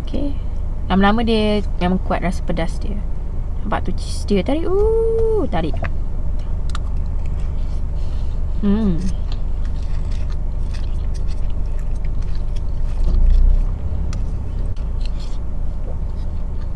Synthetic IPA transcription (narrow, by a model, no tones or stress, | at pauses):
okʰe | lamlamə̃diəmẽmãŋkuat̪̚ɾasə̥pədasdiə | ampa̰ʔt̪ut͡ʃisdiət̪aɾiʔut̪aɾiʔ